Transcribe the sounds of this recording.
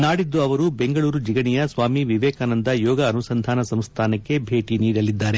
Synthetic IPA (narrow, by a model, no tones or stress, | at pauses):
naːɽid̪ːuɐʋɐɾube̞ŋɡɐɭuːɾud͡ʒiɡɐnijɐsʋaːmiʋiʋɛːkaːnɐnd̪ɐjɔːɡɐːnusɐnd̪ʱaːnɐsɐmst̪ʰaːnɐkkːe̞bʱe̞ːʈiniːɽɐlid̪ːaːɾe̞